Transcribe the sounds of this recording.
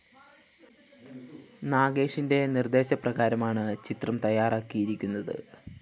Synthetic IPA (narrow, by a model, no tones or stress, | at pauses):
naːɡe̞ːʂinde̞nird̪e̞ːɕɐprɐɣaːɾɐmaːɳɨt͡ɕit̪rɐmt̪ɐjːaːraːkːijiɾikʲːunːɐðɨ̰